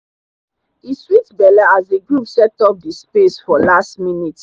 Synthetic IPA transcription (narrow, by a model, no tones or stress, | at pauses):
iswitbɛlaazeɡɹupsɛtɔf̚dispesfɔlastminit